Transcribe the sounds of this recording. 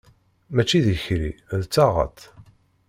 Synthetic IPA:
mæt͡ʃːiðəçɾḭðt͡sːɑʁə̰t̪

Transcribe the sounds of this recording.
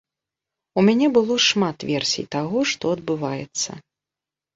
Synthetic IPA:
umʲanʲɛbɨlˠɔʂmat̪vʲɛrsʲḭjt̪aɣɔʂt̪ɔɐd̪bɨvajɛ̰t̪sːɐ̰

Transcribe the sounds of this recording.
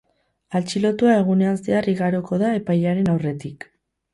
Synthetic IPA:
alt͡ʃilo̞t̪uae̞ɣ̞une̞anseariɣaɾoko̞ðae̞pajaɾe̞nawre̞t̪ik

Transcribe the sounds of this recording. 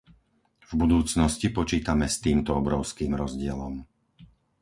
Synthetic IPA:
vbud̪uːt͡snɔscipɔt͡ʃiːt̪amɛst̪iːmt̪ɔɔbɾɔʊskiːmɾɔzɟɪɛlɔm

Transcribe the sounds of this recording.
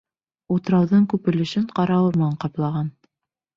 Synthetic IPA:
ut̪ɤ̆ɾɑwðɤɴkʉpɘ̆lɘ̆ʃɘɴqɑɾɑwɤɾmɤ̆nɑɴqɑplˠɑʁɑn

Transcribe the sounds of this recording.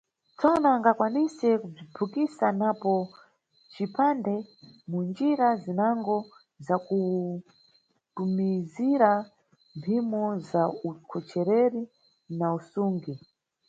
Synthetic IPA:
t͡sɔnaːŋɡakwanisɛkub͡ʐibʰʱukisanapɔ | t͡ʃipʰandɛmund͡ʒiɾazinaŋɡɔ | zaku | tumiziɾa | mpʰimɔzaukʰɔt͡ʃɛɾɛɾi | nausuːŋɡi

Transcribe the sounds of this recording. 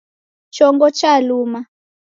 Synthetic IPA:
t͡ʃɔŋɡɔt͡ʃaluːma

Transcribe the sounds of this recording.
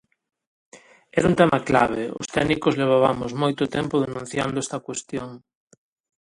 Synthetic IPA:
ɛɾunt̪ɛmɐkla̰β̞eʊ̰st̪ɛɣnikozleβ̞aβamʊzmojt̪ʊt̪ɛmpʊðenũn̟θjand̪oʊɛst̪ɐkwest̪joŋ

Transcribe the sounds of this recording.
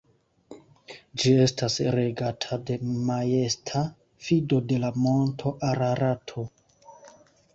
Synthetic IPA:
d͡ʒie̞stasɾe̞ɡatʰade̞maje̞stʰa | fido̞de̞lamo̞ntʰo̞ʔaɾaɾatʰo̞

